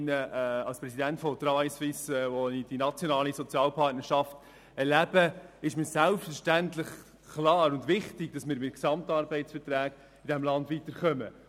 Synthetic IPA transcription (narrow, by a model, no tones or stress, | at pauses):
nəɑlspɾɛsidæntfɔt̪ɾɑvajsʋɪsvonid̥inɑt͡sjɔnɑːlisɔt͡sjɑːlpʰɑtnəɾʃɑft | ɛɾlæb̥əɪʃmɪːsælpstfəɾʃtæntlɪχ | klɑːɾʊndʋɪχtɪɡ̥̚d̥ɑsmɪːɾmɪtksɑmtɑɾbɛɪtt͡sfəɾtɾæːɡ̥ | ɪdɛmlɑndʋiːtəɾχœmə̰